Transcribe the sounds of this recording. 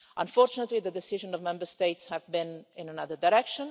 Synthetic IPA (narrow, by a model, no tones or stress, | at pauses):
ʔə̃ɱfɔɾt͡ʃunət̪liðəd̪ɛsɪʒə̃nɔvmɛ̃mbəɾst̪eɪtshævbĩnɪ̃nənʌðəɾdaɾɛkʃə̃n